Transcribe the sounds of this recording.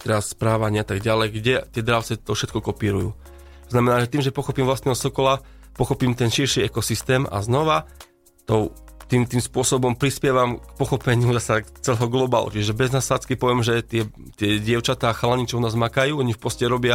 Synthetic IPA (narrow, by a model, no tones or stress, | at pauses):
t̪ɛɾasːpɾaːʋaɲɪat̪aɡɟalɛjɡɟɛt̪ɪɛd̪ɾaʊt͡sɛt̪ɔfʃɛt̪̚kɔkɔpiːɾujṵː | t̪ɔznamɛnaːʒɛt̪iːmʒɛpɔxɔpiːmvlastnɛɦɔsɔkɔla | pɔxɔpiːmt̪ɛnʃiɾʃiɛkɔsist̪ɛːma̰znɔʋa | t̪ɔʊ | t̪iːmt̪iːmspʊɔsɔbɔmpɾispɪɛʋamkpɔxɔpɛɲɪuzasakt͡sɛlɛɦɔɡlɔba̰lṵt͡ʃiʒɛʒɛbɛznassat͡skipɔʋɛmʒɛt̪ɪɛ | t̪ɪɛɟɪɛʊt͡ʃat̪aːxalaɲit͡ʃɛʊnaːzmakajuːɔɲifpɔscɛɾɔbɪa